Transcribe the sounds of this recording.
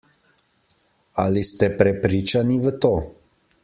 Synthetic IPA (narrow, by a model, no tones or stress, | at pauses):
alist̪ɛpɾɛpɾit͡ʃanivət̪o